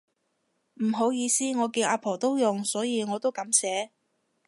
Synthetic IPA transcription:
m̩˨˩ɦo˨˥wjiː˨˧siː˥ŋɔː˨˧ki˧ʔaː˧pʰo˨˩wt̪o˥wjʊ˨ŋsɔː˨˥jiː˧ŋɔː˨˧t̪o˥wkɐ˨˥msɛː˨˥

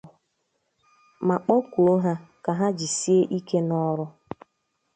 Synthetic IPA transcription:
ma˨k͡pɔ˦kʷu˨o˦ɦa˦ka˨ɦa˦d͡ʒi˨si˦e˦ʔi˦ke˦nɔ˦ɾʊ˦

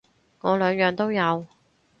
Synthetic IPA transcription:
ŋɔː˨˧lœː˨˧ŋjœː˨ŋt̪o˥wjɐ˨˧w

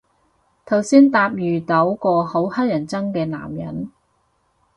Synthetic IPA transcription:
t̪ʰɐ˨˩wsiː˥nt̪aː˧p̚jyː˨˩t̪o˨˥wkɔː˧ho˨˥whɐ˥t̚jɐ˨˩nt͡sɐ˥ŋkɛː˧na̰ː˨˩mjɐ̰˨˩n

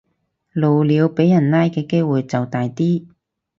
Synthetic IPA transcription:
lo˨wliː˨˧wpe˨˥jɐ˨˩nlaː˥jkɛː˧ke˥jwuː˨jt͡sɐ˨wt̪aː˨jt̪iː˥

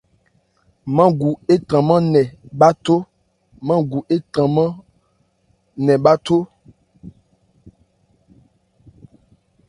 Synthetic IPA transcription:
mã˦ɡu˨e˦tã˨mã˦nɛ˨ɓa˦to˦ | mã˦ɡu˨ʔe˦tã˨mã˦ | nɛ̃˨ɓa˦t̪o˦

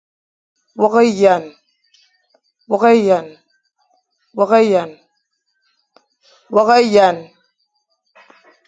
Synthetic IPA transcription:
wɔ˦ka˦ja˨n | wɔ˦ka˦ja˨n | wɔ˦ka˦ja˨n | wɔ˦ka˦ja˨n

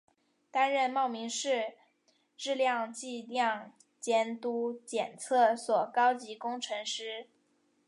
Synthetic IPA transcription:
t̪a˥nɻə˥˧nmɑ˥˩ʊmi˧˥ŋʂɻ̩˥˧ | ʈ͡ʂɻ̩˥˧ljɑ˥˧ŋt͡ɕi˥˧ljɑ˥˩ŋ | t͡ɕjɛ˥nt̪u˥t͡ɕjɛ˨˩nt͡sʰɤ˥˩swɔ˨˩kɑ˥ʊt͡ɕi˧˥kʊ˥ŋʈ͡ʂʰɤ˧˥ŋʂɻ̩˥

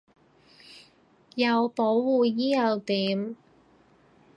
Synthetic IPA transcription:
jɐ˨˧wpo˨˥wːuː˨˩jiː˥jɐ˨˧wt̪iː˨˥m

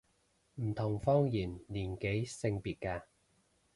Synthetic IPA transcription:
m̩˨˩t̪ʰʊ˨˩ŋfɔː˥ŋjiː˨˩nliː˨˩nke˨˥jsɪ˧ŋpiː˨t̚kaː˧

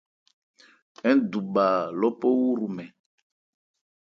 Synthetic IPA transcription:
ɛ˦n˦du˨ɓa˨lɔ˦pɔ˦wu˦ɾu˨mɛ˨

